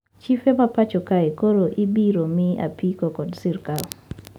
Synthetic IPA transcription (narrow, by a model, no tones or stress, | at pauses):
t͡ʃifemapat͡ʃɔkaekoɾoʔibiɾomɪa̰pikokɔdsɪrkal